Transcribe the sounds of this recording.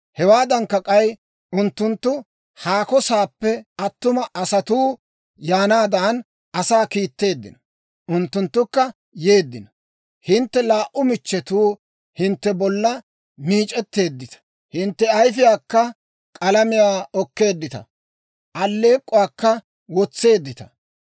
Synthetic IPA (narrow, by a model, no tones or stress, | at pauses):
hɛwaːd̪ɐŋkːɐkʼɐj | ʔʊnt̪ːʊnt̪ːʊ | haːkɔsaːpːɛɐt̪ːʊmɐʔɐsɐt̪uː | jaːnaːd̪aːn | ʔɐsaːkiːt̪ːe̞ːd̪ːɪ̰nɔ | ʔʊnt̪ːʊnt̪ːʊkːɐ | je̞ːd̪ːɪnɔ | hɪnt̪ːɛlaːʔʊmɪt͡ʃːɛt̪uː | hɪnt̪ːɛbɔlːɐ | miːt͡ʃʼɛt̪ːe̞ːd̪ːɪt̪ɐ̥ | hɪnt̪ːɛɐjfɪjaːkːɐ | kʼɐlɐmɪjaːɔkːe̞ːd̪ːɪt̪ɐ̰ | ʔɐlːe̞ːkʼːʊwaːkːɐ | wɔt͡sːe̞ːd̪ːɪt̪ɐ̥